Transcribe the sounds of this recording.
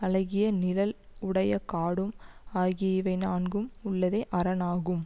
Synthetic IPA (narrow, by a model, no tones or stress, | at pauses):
ɐlɐɣɪjɐnɪlɐlʊɽɐjɐkaːɽɯmaːɣɪʋɐɪnaːnɡɯmʊɭːɐðɐɪʔɐɾɐnaːɣɯm